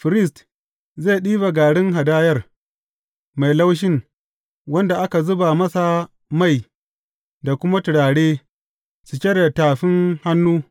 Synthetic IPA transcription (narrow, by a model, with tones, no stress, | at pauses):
ɸɪ˨ɾɪ˦˨st | zeː˦˨ɗiː˦ba˨ɡaː˨ɽɪ˦ŋɦa˨daː˦jɐ˦˨r | ma˨jla˦wʃ̬ɪ˦ŋ | wɐ˦nda˨ʔa˦ka˨zʊ˦ba˨mɐ˦sa˨ | ma˦˨j | da˨kʷʊ˦ma˦tʊ˨ɽaː˨ɽeː˦ | su˨kʲɛ˦ɾa˨taː˨ɸɪ˦ŋha˦nːuː˦